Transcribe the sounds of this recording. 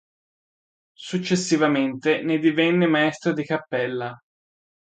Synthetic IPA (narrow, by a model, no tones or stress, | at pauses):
sut͡ʃːesːivament̪ened̪ivɛnːemaɛst̪ɾad̪ikapːɛlːa